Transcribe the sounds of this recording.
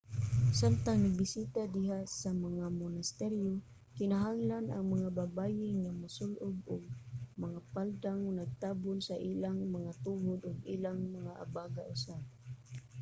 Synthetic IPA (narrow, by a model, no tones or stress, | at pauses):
salt̪aŋnɪbɪsiːt̪ad̪ɪɦasamaŋamʊnɪst̪ɛɾjo | kɪnaɦaŋlanʔa̰ŋmaŋababaːjɪŋamasʊlʔʊbʊɡ̚maŋapald̪aŋnaɡ̚t̪aːbʊnsaʔilaŋmaŋat̪uhʊd̪ʊɡilaŋmaŋaʔa̰baːɡaʔʊsab̚